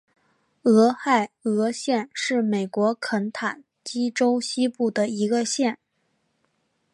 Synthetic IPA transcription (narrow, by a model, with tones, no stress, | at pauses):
ɤ˧˥xa˥˩ɪɤ˧˥ɕjɛ˥˧nʂɻ̩˥˩me˨˩ɪkwɔ˧˥kʰə˧˥nt̪ʰa˨˩n | t͡ɕi˥ʈ͡ʂo˥ʊɕi˥pu˥˩d̪ə˩i˧˥ɡə˧ɕjɛ˥˩n